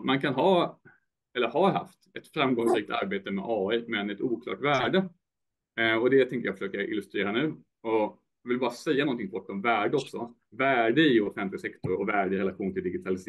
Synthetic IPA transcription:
mankʰanɦɑː | ɛlːəɾhaɾɦa̰ft̪ɛt̪fɾamɡɔŋsɾiːk̚t̪ʰa̰ɾbeːt̪əmɛ̰ʔɑːimɛnɛt̪uːkʰlɑ̰ːʈvæːɖə | ɔd̪ɛt̪ʰɛŋkəjɑːfəʂøːkəɾɪ̰lɵst̪ɾeːɾanʉ̟ː | ɔ | jvɪlbɑːɾasɛjːanɔnt̪ʰɪŋbɔʈːɔmvæːɖəɔksɔ | væːɖəɪʊfɛnt̪lɪɡsɛkt̪ɔɾɔvæːɖəɪɾɛlaɧuːnt̪ʰɪld̪ɪɡɪt̪ʰalɪs

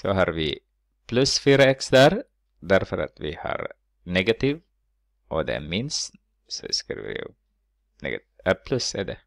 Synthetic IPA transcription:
sɔɦɑːɾvɪ | pʰlʉsfyːɾaɛksd̪æɾ | d̪æɾfœɾa̰t̪vɪhɑ̰ɾ | nɛɡat̪iːv | ʔɔd̪ɛ̰mɪns | sɔskḭɾvɪ̰ | nɛ̰ɡ | ɛpʰlɵsɛɖɛ

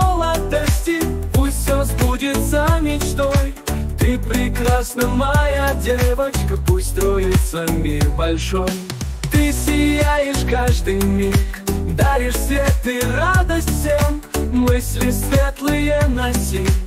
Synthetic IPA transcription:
molˠad̪əsʲtʲɪpusʲtʲsʲazbudʲɪt̪səmʲɪt͡ɕt̪oj | t̪ɨpɾʲɪkrasnəmɐjadʲevət͡ɕkəpusʲt̪ʲt̪ɾojɪt̪səmʲirbɐlʲʂoj | t̪ɨsʲɪjajɪʂkaʐd̪ɨjmʲid̪aɾʲɪʂsvʲet̪ːɨrad̪əsʲtʲsʲemmɨsʲlʲɪsvʲet̪lˠɨjənɐsʲi

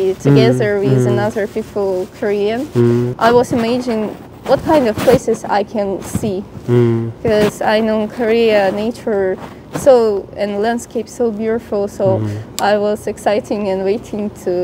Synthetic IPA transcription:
tʰɨɡɛðə˞wɪðɨnʌðə˞pʰipəl̩ˠkʰə˞iɨ̃nʔaɪwʌzɨmed͡ʒɪ̃n | wʌt̚kʰãɪ̃ndʌv̥pʰl̥eɪsɨza̰ɪkʰɨ̃nsi̥ | kʌzaɪnõʊkʰə˞iɨneɪt͡ʃə˞ | soʊɨ̃nlæ̃nd̥skeɪpsoʊbjuɾɨfl̩ˠsoʊʔaɪwʌzɨksaɪɾɪ̃ŋɨ̃nweɪɾɪ̃ŋtʰu

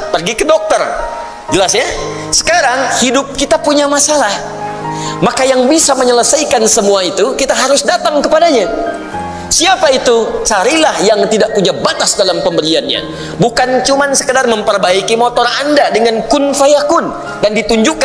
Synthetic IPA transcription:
pərɡikədɔk̚t̪ər | d͡ʒəlasɲa | sə̥kaɾaŋhidʊp̚kit̪apuɲamasalah | makajaŋbisaməɲələsajkansəmuait̪ukit̪aɦaɾʊsdat̪aŋkəpadaɲa | siapait̪ut͡ʃaɾilahjaŋt̪idaʔpuɲabat̪asdalampəmbəlianɲa̰ | bukant͡ʃumansə̥kədarməmpərbaikimɔt̪ɔrandadəŋankʊnfajakʊn | dandit̪uɲd͡ʒuk

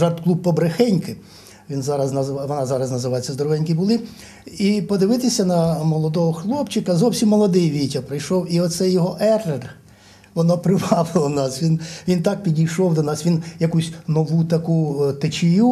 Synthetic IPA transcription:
ʒɑrt̪klˠub̚pːɔbɾexɛnʲkɪ | ʋʲinzɑɾɐznɐʋɔnɑzɑɾɐznɐzɪʋɑjet͡sʲːɐzd̪ɔɾɔʋɛnʲkibʊlˠɪ | ipɔd̪ɪʋɪt̪ɪsʲɐnɐmɔlˠɔd̪ɔɦɔxlˠɔpt͡ʃɪkɐzɔwsʲimːɔlˠɔd̪ɪjʋʲijtʲɐpɾɪjʃɔwiɔt̪sɛjːɔɦɔʔɛrːer | ʋɔnɔpɾɪʋɑʋɪlˠɐnɑsʋʲinʋʲint̪ɑk̚pʲidʲijʃɔwd̪ɔnɑsʋʲinjɐkusʲnɔʋut̪ɐkut̪ɪt͡ʃʲɪju

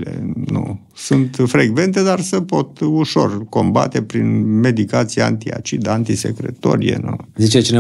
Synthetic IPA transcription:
lḛnṵ | sunt̪fɾeɡve̞nt̪e̞d̪arsepo̞t̪uʃo̞rko̞mba̰t̪e̞pɾinme̞d̪ikat̪siaa̰nt̪ia̰t͡ʃid̪ant̪isḛkɾḛt̪o̰ɾijḛnṵzit͡ʃet͡ʃine

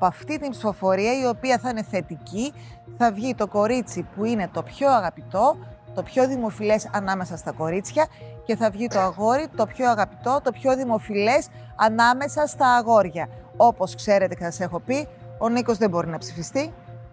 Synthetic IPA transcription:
pɐft̪it̪impsi̥fo̞fo̞ɾiɐio̞piɐθɐine̞θe̞t̪ici | θɐvʝit̪o̞ko̞ɾit͡sipuine̞t̪o̞pço̞ɐɣɐpit̪o̞t̪o̞pço̞ðimo̞file̞sɐnɐme̞sɐst̪ɐko̞ɾit͡sçɐce̞θɐvʝit̪o̞ɐɣo̞ɾit̪o̞pço̞ɐɣɐpit̪o̞t̪o̞pço̞ðimo̞file̞s | ɐnɐme̞sɐst̪ɐːɣo̞ɾʝɐo̞po̞skse̞ɾe̞t̪e̞cesɐse̞xo̞pio̞niko̞zðe̞bo̞ɾinɐpsifist̪i

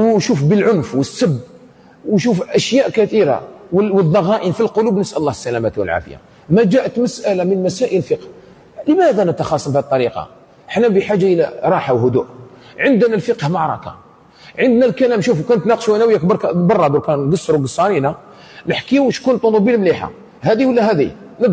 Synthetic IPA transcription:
wʃufbəlʕʊnfwəsːəbː | wʃufʔæʃjæʔkæθiɾa̰wwəðˤːɑɣɑʔinfilqʊlubnəsʔælˤːɑhsːælæmæt̪wə̰lʕa̰fə̰ja̰ | mæd͡ʒæʔət̪məsʔælamənmæsæʔəlfiqh | ləmæd̪ænət̪ɑxɑsˤːəmbhæd̪̚t̪ːˤɑɾiqɑ̰ | ʔəħnæmbiħaʒːaʔəlæ̰ɾˤɑħawhʊd̪uʔ | ʕənd̪nælfəqhmɑʕɾˤɑ̰kɑ̰ | ʕənd̪nælkælæmʃufukænət̪nɑqʃwæjnæwjakbɾˤkbɑrˤːɑd̪ukænɡɑsˤːɾuɡəsˤːɑɾina | nəħkiuʃkunt̪ˤːonubilmliħa̰ | hæd̪iwəlːæɦæd̪i | nə

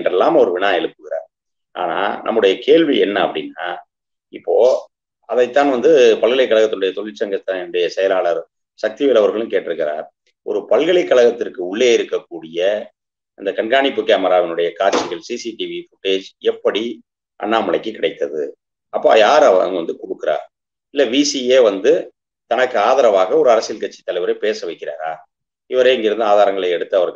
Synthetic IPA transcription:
ndrɐlːaːmɐɔɾɯʋɪɳãːɛɭɯpːɯɣɪɾa̰ːɾ | ʔa̰ːna̰ːnʔɐ̰mːɯɽɐjɐkeːɻʋiɛ̰nːɐɐpːɐɽɪnːaː | ɪpːoː | ɐðɐɪt̪ːaːnʋɐnd̪ɯpɐlɣɐɭɐɪkːɐɭɐɣɐt̪ːɯnɯɽɐjɐt̪ɔɭɪt͡ʃːɐŋɡɐt̪ːaɛnːɯɽɐjɐsɛjɐlaːɭɐɾ | sɐk̚t̪iʋɪlɐʋɐɾɣɐɭɯ̃mkeːʈːɪɾɯkːɪɾa̰ːɾ | ɔ̰ɾɯpɐlɣɐɭɐɪkːɐɭɐɣɐt̪ːɪrkɯʊɭːeːɪɾɯkːɐkːuːɽɪjɐ | ɪnd̪ɐkɐɳɡaːɳɪpːɯkeːmɐɾaːʋɪnɯɽɐjɐkaːɾt͡ʃɪɣɐɭsiːsiʈiʋifʊʈːeːd͡ʒɛpːɐɽi | ʔɐ̰nːaːmɐɭɐɪkːɯkːɪɽɐɪt̪ːɐðɯ | ɐpːa̰ːjaːɾɐʋɐ̰ŋɡɐʋɐnd̪ɯkɔɽɯkːɯɾa̰ːɾ | ɪlːɐʋiːsieːʋɐnd̪ɯ | t̪ɐnɐkːɯaːðɐɾɐʋaːɣɐɔɾɯɐɾɐsɪɪlkɐʈt͡ʃːi̥t̪ːɐlɐɪʋɐɾɐɪpeːsɐʋɐɪkːɪɾa̰ːɾaː | ɪʋɐɾeːɪŋɡɪɾɯnd̪ɯaːðaːɾɐŋɡɐɭɐɛɽɯt̪ːɯɐʋɐɾɣɐ

